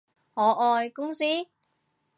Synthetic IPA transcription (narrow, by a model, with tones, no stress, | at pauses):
hɔː˨˥ʔɔː˧jkʊ˥ŋsiː˥